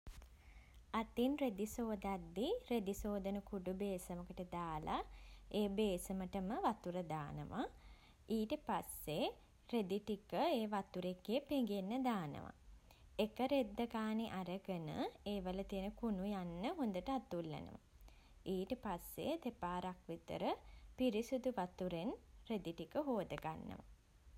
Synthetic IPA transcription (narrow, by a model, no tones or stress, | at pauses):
at̪inred̪isoːd̪ad̪ːired̪isoːd̪ənəkuɖubeːsəməkəʈəd̪aːlaeːbeːsəməʈəməʋat̪uɾəd̪aːnə̰ʋa̰ | iːʈəpasːe | red̪iʈikəeːʋat̪uɾekːeːpeŋɡenːəd̪aːnə̰ʋa̰ | ekəɾed̪ːəkaːniʔaɾəɡənə̰eːʋələt̪iənəkunujanːəɦond̪əʈəat̪ːulːḛnə̰ʋa̰ | iːʈəpasːḛd̪epaːɾakʋit̪ə̰ɾəpiɾisud̪uʋat̪uɾenred̪iʈikəɦoːd̪əɡa̰nːə̰ʋa̰